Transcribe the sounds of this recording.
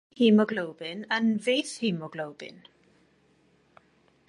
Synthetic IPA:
hiːmɔɡlowbɪnə̃nveːθhiːmɔɡlowb̥ɪ̰n

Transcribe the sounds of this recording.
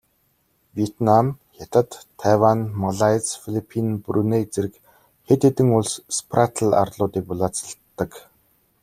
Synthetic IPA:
wiet̪namxat̪ə̆t̪ʰːawanmaɮajt͡sfilipʰinprunet͡seɾɘ̆k | xet̪et̪ɘ̆ŋʊɮsspʰrat̪ʰəɮa̰rɮʊːt̪iːk̚pʊɮaːt͡sə̥̆ɬt̪ːə̆k

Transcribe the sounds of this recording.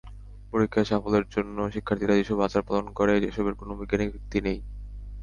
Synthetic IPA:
poɾikʰːaʃafoleɾd͡ʑonːoʃikʰːaɾt̪ʰiɾad͡ʑeʃɔbat͡ɕaɾpalonkɔɾed͡ʑeʃɔbeɾkonoobiɡːanibʱik̚t̪inej

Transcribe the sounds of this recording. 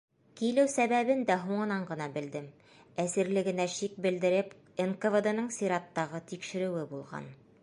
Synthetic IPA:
kilɘwsæβæβɘnd̪æɦuɴɤ̆nɑɴɢɤ̆nɑbɘ̆ld̪ɘm | æsɘ̆ɾlɘ̆ɡɘ̆næʃik̚bɘ̆ld̪ɘ̆ɾɘp | enkovɤd̪ɤ̆nɤɴsʲiɾɑt̪ːɑʁɤt̪ikʃɘ̆ɾɘ̆wɘbulˠʁɑ̰n

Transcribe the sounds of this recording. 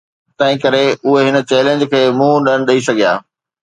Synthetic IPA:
t̪ɐ̃ɦĩkɐɾeʊɦeɦɪnə̆t͡ɕɛːlẽɲd͡ʑkʰeːmũːɗɐɽ̃ɗɐisɐɡija̰ː

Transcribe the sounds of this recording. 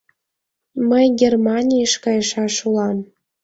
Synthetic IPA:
məjɡʲermɑnʲijəʃkɑjəʃɑʃulɑm

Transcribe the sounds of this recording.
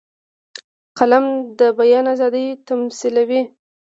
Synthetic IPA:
qalamd̪əbajɑnazɑd̪əjt̪amsilawi

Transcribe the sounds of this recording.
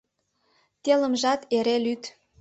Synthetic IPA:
t̪eləmʒɑt̪eɾelyt̪

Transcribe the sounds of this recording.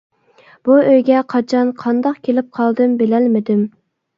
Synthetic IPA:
b̥uøjɡʲɛqʰɑt͡ʃʰɑnqʰɑnd̪ɑqkʲʰelɪp̚qʰɑlˠd̪ɨmbɪlɛlmɪd̪ɪm

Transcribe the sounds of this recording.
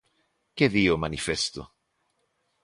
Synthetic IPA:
k̟ed̪iːomanifɛst̪o̰

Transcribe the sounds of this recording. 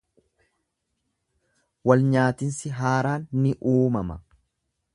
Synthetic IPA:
wɐlɲaːt̪ɪnsɪɦaːɾaːnːɪʔuːmɐmɐ

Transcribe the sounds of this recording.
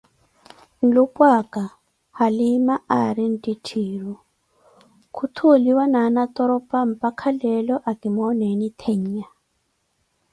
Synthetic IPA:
n̩lupʼwakʼa | halimaaɾin̩tʼitʰiːɺu | kʰut̪ʰoliwananat̪ʼɔɾɔpʼam̩pakʰalɛlɔʔakimɔnɛnit̪ʰeɲ̩ja

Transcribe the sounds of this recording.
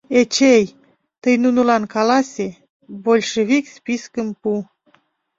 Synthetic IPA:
et͡ʃej | t̪ɨjnunulankalasʲe | bolʲʃevikspiskɨmpu

